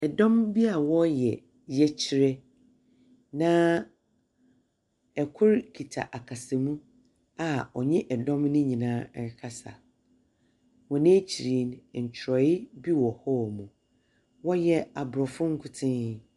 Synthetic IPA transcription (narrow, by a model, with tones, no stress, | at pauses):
ɛ˨dɔ̃˦mbi˦a˨wɔ˦jɛ˨ | jɛ˦t͡ɕʰɪ˨˦ɾɛ˦ | nã˦ | ɛ˨kʰʊ˦ɾkʰi˨tʰa̰˨ʔa˨kʰa˨sɛ˨mũ˦ | a˨ɔ˨ɲɛ̃˦ʔɛ˨dɔ̃˦mnʊ̃˦ɲĩ˨nãː˦˨˦kʰa˦sa̰˨ | wɔ̃˨nẽ˦t͡ɕʰi˨ɾi˨˦n̩˨t͡ɕʰɾɔ˨ɪ˦bi˦wɔ˨hɔ˦˨mũ˨ | wɔ˦jɛ˨a˨bɾɔ˨fʊ̃˦ŋ̩˦kʰʊ˦tʰɪ̃˦˨